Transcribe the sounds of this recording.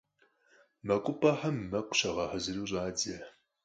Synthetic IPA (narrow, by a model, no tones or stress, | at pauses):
mɐkʷʼʊpʰʼɐħɐmːɐqʷʰʼʊ̥ɕɐʁɐħɐzɨruːɕ̬ʼaːd͡zɐ